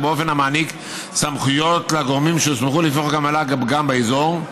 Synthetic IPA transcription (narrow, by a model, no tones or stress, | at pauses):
beofenamaːnik | samχujo̞t̪laɡoʁmimʃesmeχulifoχakamalaɡɡambeezo̞ʁ